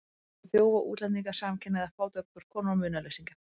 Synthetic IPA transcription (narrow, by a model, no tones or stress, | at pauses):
θjoːwvaʔṵːt̪lɛnt̪iŋkḁsaːcʰɛnːɛðafaːwt̪œk̚t̪ʏɾ̥kʰɔːnɔmʏːnalejsiŋka